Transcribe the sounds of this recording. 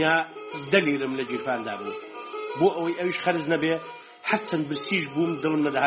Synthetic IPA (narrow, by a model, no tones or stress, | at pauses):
aːd̪ɐliːɾɨmlɐd͡ʒiːfaːnd̪a̰ːbɨzboːʔɐwɐjʔɐwiːʃxɐɾɨznɐbeː | ħaɾt͡ʃʰɐnbɨɾsiːʃbuːmd̪ɨlˠɨmnɐd̪ɐha